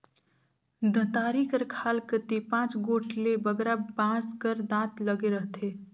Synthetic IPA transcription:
d̪ʱə̃t̪aːɾikəɾkʰaːlkət̪ipãːt͡ʃɡoːʈʰlebəɡɾabãːskəɾd̪ãːt̪ləɡeɾəɦt̪ʰe

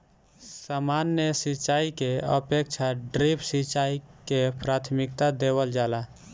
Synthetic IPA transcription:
samanːjəsit͡ʃaikeə̰pek̚t͡ʃʰaɖɾipʰsit͡ʃaikepɾat̪ʰmik̚t̪ad̪eβəld͡ʒala

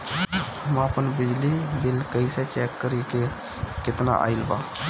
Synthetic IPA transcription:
mãːpənbɪd͡ʒliːbɪlkəiseːt͡ʃɛːkːəɾiːke | kɪt̪na̰ːʔa̰ːɪlba̰ː

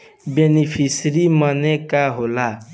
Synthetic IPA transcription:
benipʰisɾimʌnekaɦola

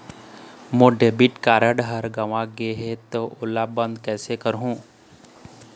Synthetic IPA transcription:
moːɖeːbɪʈkaːɾəɖɦəɾɡɐʋãɡeɦet̪oʔʊlːabə̃nd̪kɛːsekəɾɦũː

